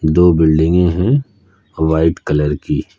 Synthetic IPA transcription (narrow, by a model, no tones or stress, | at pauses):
d̪oːbɪlɖɪ̃ŋɡẽɦɛ̃ | ʋaːɪʈkɐləɾkiː